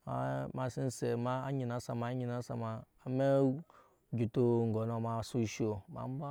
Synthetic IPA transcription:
a˨˦ma˨si˦n˦se˨ma˦a̰˦ɲi˨na˨˦sa˨ma˨˦ɲi˨na˨˦sa̰˨maː˨me˦ | d͡ʒu˨to˦˨ŋ̩˨ɡo˨no˨ma˨su˦ʃo˨ma̰˨˦m˦ba˦

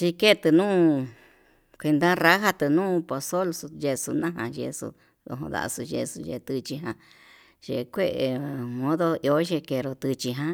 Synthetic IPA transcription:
t͡ʃi˧ke˦˧t̪ɨ˧nũː˦ | kʷi˧nd̪ã˦ra˦ɦa˧t̪ɨ˧nũː˦po˧so˦lsu˧je˧su˧nã˦ɦã˧jḛ˧sṵ˧ | o̰˧ɦõ̰˧ða̰˨˧su˧ʒḛ˧su˧jḛ˧t̪ɨ˧t͡ʃi˧ɦã˧ | ʒ̥ḛ˧˨kʷe˦˧ʔe˨˧mõ˦ðo˦jo˧˦ʒe˧ke˧ɾo˧t̪ɨ˧t͡ʃi˧ɦã˧˦

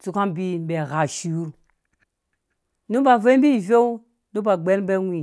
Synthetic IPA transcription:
t͡su˨ka˦nbi˦be˨ɣa˨ʃi˨u˦ɾ | nu˦ba˨ve˦m˦bi˦˨ve˦u˦ | nu˦ba˨ɡ͡be˦n˦be˦wi˨

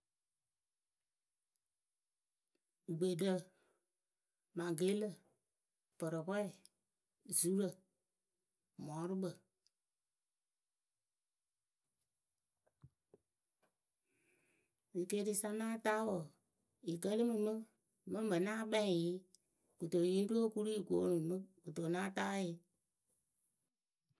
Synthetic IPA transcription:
ɡ͡be˨də˦ | mã˨ɡe˨˦lə˨ | pɔ˨ɾɔ˨pɔ˦i˨ | zu˨˦ɾə˨ | mɔ̃˨˦ɾɨ˦ɓə˨ | i˨ke˧˦ɾi˧˦sa˧nãː˦taː˦wo˨ | i˨kə˦li˦mɨ̃˧mɨ̃˦ | mɛ̃˦bə˨nãː˦ɓɛ̃˦ĩ˨ji˦ | ɡ̥u˨to˨ji˦u˦o˦ku˦ɾi˦i˨ɡo˨˦nũ˨mɨ̃˦ɡu˨to˨nãː˦taː˦ji˨˦

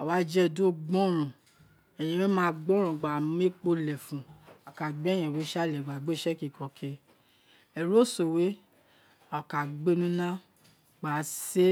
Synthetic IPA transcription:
a˨wa˨˦d͡ʒɛ˦˨do˦ɡ͡bɔ̃˦ɾ̃ũ˨ | ɛ˨j̃ɛ̃˨˧we˦mã˦˧ɡ͡bɔ̃˦ɾ̃ũ˨ɡ͡ba˨˦e˦k͡po˧lɛ˨fũ˨a˨ka˨ɡ͡bɛ˦j̃ɛ̃˨we˨˦ʃa˦˨lɛ˨ɡ͡ba˨ɡ͡be˦˨ʃɛ˦ki˨kɔ˨kʰe˧ | ɛ˨ɾo˦˨so˨we˦ | a˨ka˨ɡ͡be˦nũ˦nã˦ | ɡ͡ba˨se˦

